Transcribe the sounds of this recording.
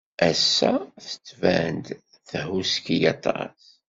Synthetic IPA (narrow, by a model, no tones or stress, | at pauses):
ʔæsːæθə̥t͡sːvænd̪ | θɦuskijɑt̪ˤɑ̰s